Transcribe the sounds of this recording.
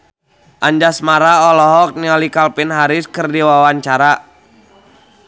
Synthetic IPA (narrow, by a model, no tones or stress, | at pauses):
ʔaɲd͡ʒasmaɾaɔlɔɦɔk̚niɔlikalpɪnɦaɾɪskərdiwawaɲt͡ʃaɾa